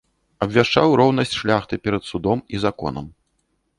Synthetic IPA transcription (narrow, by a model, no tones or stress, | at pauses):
ɐbvʲaʂt͡ʂawɾɔwnɐsʲt͡sʲʂlʲaxt̪ɨpʲɛɾɐt̪sud̪ɔmizakɔ̰nɐ̰m